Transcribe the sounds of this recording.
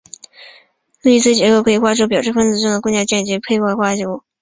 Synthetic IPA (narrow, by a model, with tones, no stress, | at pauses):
lu˥˩i˥t͡sʰɹ̩˥˩t͡ɕjɛ˧˥ko˥ʊkʰɤ˧˥i˧˩xwa˥ʈ͡ʂo˥ʊp̬jɑ˨˩ʊʂɻ̩˥˩fə˥nt͡sɹ̩˧˥ʈ͡ʂɤ˥˩ŋd̪ə˨˩knt͡ɕjɑ˥˩t͡ɕjɛ˥˩nt͡ɕi˧˥pʰe˥ɪxwa˥˩ɪxwa˥ʈ͡ʂo˥ʊ